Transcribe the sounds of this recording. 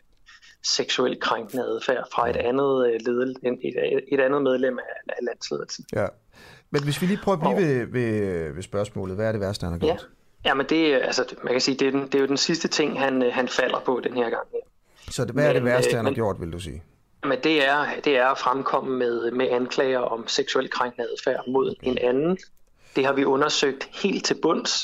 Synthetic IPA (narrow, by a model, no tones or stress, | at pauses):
seɡ̥suel̰d̥̚kʰʁaŋɡ̥nəæðˠfæɐ̰fʁɑ̈e̝d̥ænð̞̩ˠleð̞ˠlee̥e̝ɾ̥ænð̞̩ˠmeð̞ˠlem̰æælæn̰sle̝ːð̞ˠl̩sn̩æ | menʋe̝sʋiliːpʰʁœːʊːbliʋeʋe̝ʋe̝sb̥ɶɐsmɔ̰ːlð̩ˠʋæɐɾe̝ʋæɐsd̥əhænhɑ̈ɡjo̰d̥ | jæmend̥e̝ælsəmænkʰæsiːd̥e̝̥ed̥e̝jo̝d̥ensisd̥ət͡sʰe̝ŋ̰ɦænɦænfæl̰ɐpʰɒ̽d̥enhe̝ɐ̰ɡ̥ɑ̈ŋ̰jæɐ | sɒ̽ʋææɐɾeʋæɐ̰d̥hænɡ̥jo̝̰d̥ʋe̝ld̥usḭː | mend̥e̝æɐd̥e̝æɐfʁamkʰɒ̽m̰əmeðˠmeænkʰlɛːɪɐʔɒ̽mseɡ̥suel̰kʰʁaŋ̰ɡ̥n̩æðˠfæɐ̰mo̝ð̞̰ˠe̝nænn̩ | d̥e̝hɑ̈ʋiʔɔ̽nɐsøɡ̥̚d̥he̝̰ːld̥̚t͡sʰe̝lb̥ɔ̽n̰s